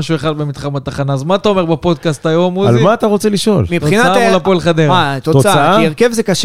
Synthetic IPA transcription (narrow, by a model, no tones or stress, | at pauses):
aʃueχad̪bemid̪χamat̪aχanaːzmaːt̪ao̞me̞ʁbepo̞d̪̚kast̪ajomːuazlimaːt̪aʁo̞t͡seliʃo̞lmit̪inaaalapoalχad̪eʁat̪ooaaaaiʁkevzekaʃ